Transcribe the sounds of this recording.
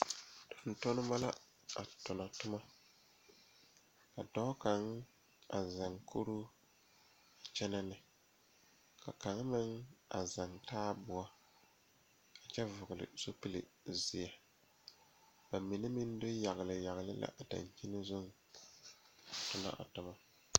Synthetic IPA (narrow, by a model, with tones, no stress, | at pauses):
d̥ʊ˨n˦tɔ˦nɪ˦ma˦la˦ | a̰˨tʊ˨na˨tʊ˦ma˦ | ka˨dɔ˦ka˨ŋ | a˨za˨ŋkʰo˦ɾu˦ | a˨t͡ʃɛ˦na˦nɪ˨ | ka˨ka˨ŋ˦mɪ˦ŋa̰˨za˨ŋtaː˦bʊ˨a˦ | a˨t͡ʃɛ˦vʊ˨ɡʊ˨lɪ̰˨so˦pi˦lɪ̰˨zɪ˨a˨ | ba˨mɪ˨nɪ˦mɪ˦n˦dʊ˦ja˨ɣɪ˨lɪ˨ja˨ɣɪ˨lɪ̰˦lʔa̰˦ʔa˨da̰˨n˨t͡ʃi˦nɪ˦zʊ˦ŋ | a˨tʊ˨na̰˦ʔa̰˨tʊ˨ma˦